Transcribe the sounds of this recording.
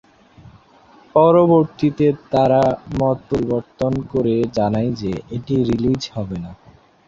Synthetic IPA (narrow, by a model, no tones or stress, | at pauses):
pɔɾoboɾt̪it̪et̪aɾamɔt̪̚poɾiboɾt̪onkoɾed͡ʑanajd͡ʑeeʈiɾilid͡ʑhɔbena